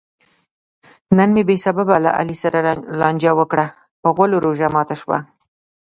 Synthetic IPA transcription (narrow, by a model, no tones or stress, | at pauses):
nənmebesababala̰ʔa̰lisaɾalɑnʲd͡ʒawəkɽa | pəɣwaloɾoʒamɑt̪aʃwa̰